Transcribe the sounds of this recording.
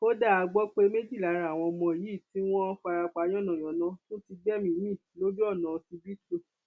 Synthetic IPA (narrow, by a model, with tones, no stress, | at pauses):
ko˦da˦˨a˨˧ɡ͡bɔ˦k͡pe˧˦me˦d͡ʒi˦˨la˨˦ɾa˨w̃ɔ̃˧mɔ̃˧e˨ji˨˦˨ti˦w̃ɔ̃˦fa˧ɾa˧k͡pa˨˦j̃ɔ̃˦˨nã˨j̃ɔ̃˨nã˨˦to˦ti˧ɡ͡bɛ˦mĩ˧˦mĩ˦˨lo˦d͡ʒu˦ɔ˦˨nã˨˧˨ti˧bi˦to˦